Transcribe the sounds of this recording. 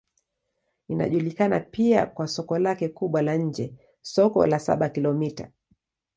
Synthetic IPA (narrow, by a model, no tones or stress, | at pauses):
ina̰ʄulikanapia̰kwasɔkɔlakɛkuɓwalaɲ̩d͡ʒɛ | sɔkɔ̰lasa̰ɓakilɔmita̰